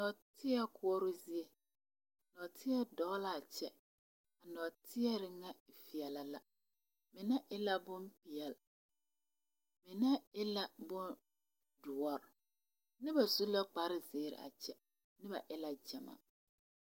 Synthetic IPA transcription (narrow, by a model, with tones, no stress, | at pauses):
nɔ˨tʰɪ˦ɛ˦kʰʊ˦ɔ˦ɾʊ˦zi˦e˨ | nɔ˨tʰɪ˦ɛ˦dɔ˨˦ɣla˨a˨t͡ʃɛ˦ | a˨nɔ˨tʰɪ˦ɛ˦ɾɪ˨ŋa˦˨fi˨ɛ˨la˨la˨ | mɪ˨na˦ʔɪ˦la˦bʊ˦npɪ˨ɛ˨l | mɪ˨na˦ɪ˦la˦bʊ˦n | dʊ˨ɔ˨ɾ | nɪ˦ba˨su˦la˦k͡pa˨ɾɪ˦zeː˨˦˨ɾɪ̰˨a̰˨t͡ʃɛ˦ | nɪ˦ba̰˨ʔɪ˦la˦d͡ʒa˨ma̰˨